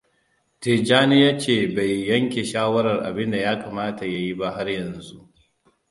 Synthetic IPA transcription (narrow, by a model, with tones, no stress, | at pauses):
teː˨d͡ʒaː˦nɪ˦jaː˦t͡ʃeː˦˨ba˨jːɐ˦ŋkʲe˨ʃaː˦wɐ˦ɾɐ˨rʔa̰˨bɪ˦nda˨jaː˦kaː˨maː˦ta˨ja˨ji˦ba˦ɦa˦rjɐ˨nzu˦ʔ